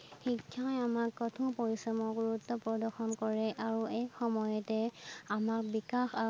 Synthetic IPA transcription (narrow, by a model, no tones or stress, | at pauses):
xikʰːãjamakːɔtʰũpɔɹisɔmɔɡɡuɹutːɔpɔdɔxɔnkɔɹɛʔaɹuɛkxɔmɔjɔtɛamakbikaxa